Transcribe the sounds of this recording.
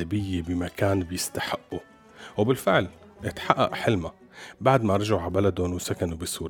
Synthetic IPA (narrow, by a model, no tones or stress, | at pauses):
abɪjːebɪmakaːnbɪjɪst̪aħɪʔːu | wbɪlfɪʕl | ʔɪt̪ħaʔːa̰ʔħɪlma | baʕd̪maɾˤɑʒaʕwʕalbalad̪ʊnwsakanubɪsuːɾ